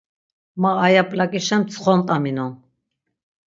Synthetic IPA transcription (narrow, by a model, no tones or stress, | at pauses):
maːjapʼlakʼiʃɛmt͡sʰχɔnt̪ʼaminɔn